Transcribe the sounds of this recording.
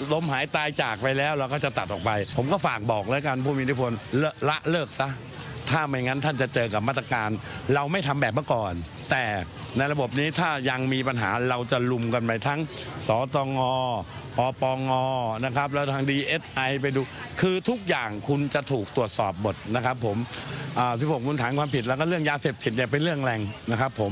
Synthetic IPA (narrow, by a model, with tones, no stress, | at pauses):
lo˧mhaː˩˦jt̪aː˧jt͡ɕaː˨˩k̚pa˧jlɛː˦˥wɾa˧wkɔː˥˩t͡ɕa˨˩t̪ːa˨˩t̪ʔɔː˨˩k̚pa˧jpʰo˩˦mkɔː˥˩faː˨˩k̚bɔː˨˩k̚lɤː˧jka˧npʰuː˧˩mi˧t̪ʰːu˥pʰo˧nlːla˦˥ʔlɤː˥˩k̚sa˦˥ | t̪ʰaː˥˩ma˧˩jŋa˦˥nt̪ʰa˥˩nt͡ɕa˨˩t͡ɕɤː˧ka˨˩p̚maː˥˩t̪ːa˧kaː˧nɾa˧wma˥˩jt̪ʰa˧mbɛː˨˩p̚mɯ˥˩kɔː˨˩n | t̪ɛː˨˩ | na˧jɾa˧bo˨˩p̚niː˦˥t̪ʰaː˥˩ja˧ŋmiː˧pa˧nɦa̰ː˩˦ɾa˧wt͡ɕa˨˩lu˧mka˧npa˧jt̪ʰa˦˥ŋ | sɔː˩˦t̪ɔː˧ŋɔː˧ | pɔː˧pɔː˧ŋɔː˧na˦˥kʰa˦˥p̬̚lɛː˦˥wt̪ʰaː˦˥ŋdiː˧ʔeː˦˥t̪̚ʔa˧jp̬a˧jduː˧ | kʰɯː˧t̪ʰu˦˥k̚jaː˨˩ŋkʰu˧nt͡ɕa˨˩ʔt̪ʰuː˨˩k̚t̪u˨˩ət̪̚sɔː˨˩p̚mo˨˩t̪̚na˦˥kʰa˦˥pʰːo˩˦mʔaː˨˩si˧˥˩poː˨˩kuː˧˦t̪ʰaː˩˦nkwaː˧mpʰi˨˩t̪̚lɛ˦˥wkɔː˥˩ɾɯ˥˩əŋjaː˧seː˨˩p̚t̪ʰi˨˩t̪̚ni˧˩p̬e˧nɾɯ˥˩əŋlɛː˧ŋna˦˥kʰa˦˥pʰːo˩˦m